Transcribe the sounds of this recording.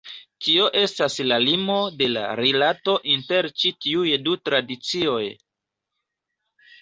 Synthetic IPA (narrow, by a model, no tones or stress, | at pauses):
tio̞ʔe̞staslalimo̞de̞la̰ɾilato̞ʔinte̞ɾt͡ʃitiujdutɾadit͡sio̞j